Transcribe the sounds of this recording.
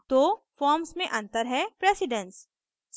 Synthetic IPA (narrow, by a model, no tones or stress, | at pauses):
t̪ofɔːɾmsmẽʔɐ̃nt̪əɾɦɛpɾeːsɪɖə̃ns | s